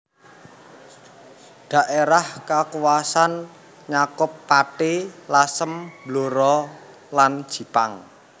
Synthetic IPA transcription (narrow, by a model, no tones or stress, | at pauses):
ɖ̥a̤ʔeɾahkakuwasan | ɲakʊpːaʈelasəmb̥loɾɔ | land̥ʒ̥i̤paŋ